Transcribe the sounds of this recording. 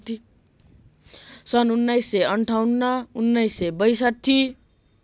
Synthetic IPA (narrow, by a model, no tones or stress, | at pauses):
ti | sʌnunːajsːeʌɳʈʰawnːʌunːʌjsːebʌjsʌt̪ʰːi